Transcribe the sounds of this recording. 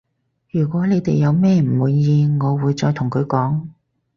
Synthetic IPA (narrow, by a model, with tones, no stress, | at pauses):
jyː˨˩kʷɔː˨˥ne˨˧jt̪e˨jːɐ˨˧wmɛː˥m̩˨˩wuː˨˧jːiː˧ŋɔː˨˧wuː˨˧jt͡ʃɔː˧jt̪ʰʊ˨˩ŋkʰɵ˨˧ɥkɔː˨˥ŋ